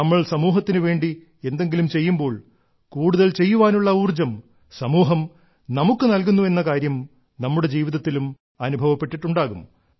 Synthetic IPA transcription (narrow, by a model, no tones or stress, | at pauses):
ɐmːɐɭsɐmuːɦɐt̪ːinɨʋe̞ːɳɖi | e̞nd̪e̞ŋɡilumt͡ɕe̞jːumbo̞ːɭ | kuːɽuðɐlt͡ɕe̞jːuʋaːnuɭːɐuːrd͡ʑɐm | sɐmuːɦɐm | nɐmukːɨnɐlk̬unːue̞nːɐkaːɾjɐm | nɐmːuɽe̞d͡ʑiːʋiðɐt̪ːilum | ɐnubʱɐʋɐpːe̞ʈːiʈːuɳɖaːɣum